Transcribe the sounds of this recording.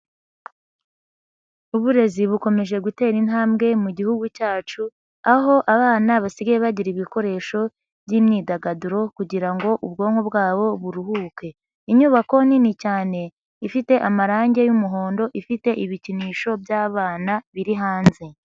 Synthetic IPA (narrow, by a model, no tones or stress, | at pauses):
uβuɾe̞ziβuko̞me̞ʒe̞ɡute̞ːɾin̥haːmbɡe̞muɟihuɡucaːt͡ʃu | aɦo̞ʔaβaːnaβasiɡajeβaɟiɾiβiko̞ɾe̞ːʃo̞ | bɟiːmɲiːdaɡaduɾo̞kuɟiɾaŋɡo̞ʔubɡo̞ːŋ̥hobɡaːβo̞βuɾuhuːke̞ | iɲuːβako̞ninicaːne̞ | ifite̞ʔamaɾaːɲɟe̞jumuɦo̞ːndo̞ʔifite̞ʔiβiciniːʃo̞bjaːβaːnaβiɾiɦaːnze̞